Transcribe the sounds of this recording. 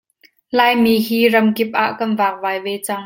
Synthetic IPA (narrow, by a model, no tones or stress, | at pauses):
laːjmiːɦiːrɐmkɪp̚ʔaːʔkɐnvaːk̚vaːjvɛːt͡sɐŋ